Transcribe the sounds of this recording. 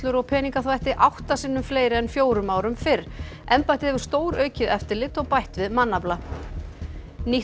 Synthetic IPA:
t̪lʏɾɔɣpʰɛːniŋkaθvajht̪ɪʔawht̪asɪnːʏmfleːjɾɪɛnfjoːwɾʏmaːwɾʏmfɪɾ | ɛmpajt̪ɪhɛvʏɾ̥st̪oːwɾœːɥcɪðɛft̪ɪlɪt̪ɔɣpajht̪vɪðmanːapla | ni

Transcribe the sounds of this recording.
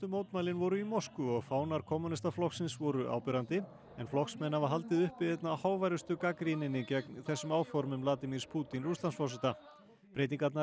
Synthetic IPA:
t̪ʏmoːwt̪maːjlɪnvɔɾʏimɔskʏɔɣfaːwnaɾ̥kʰɔːmunɪst̪aflɔxksɪnsvɔɾʏʔa̰ːwpɛɾant̪ɪ | ɛnflɔhksmɛnːavaɾɦalt̪ɪðʏhpɪðɛjt̪nahaːwvajɾʏst̪ʏkakɾinɪnicɛknθɛsːʏmaːwfɔɾmʏmlaːt̪ɪmiɾ̥spʰuːt̪inɾust̪ansfɔrsɪt̪a | pɾeːjt̪iŋkat̪na

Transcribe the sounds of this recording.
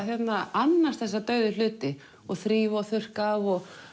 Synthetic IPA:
θjɛt̪naanːaɾst̪θɛs̬ːat̪œːɥðʏlʏːt̪ɪ | ɔɣθɾiːvaaθʏr̥kaɔɣ

